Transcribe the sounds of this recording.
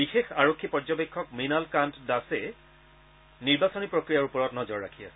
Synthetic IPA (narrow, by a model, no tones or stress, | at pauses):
bixexaɹokʰːipɔɹd͡ʒɔbekʰːɔkminalkantdasɛ | niɹbasɔnipɹokɹijaɹupɔɹɔtnɔzɔɹːakʰijasɛ